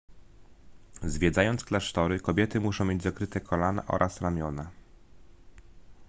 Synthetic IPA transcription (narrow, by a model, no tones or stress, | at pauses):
zvʲjɛd̪zajɔntsklaʂt̪ɔɾɘkɔbʲjɛt̪ɘmuʂɔ̃w̃mʲjed͡ʑzakɾɘt̪ɛkʰɔlana̰ʔɔ̰ɾʔasɾamʲjɔna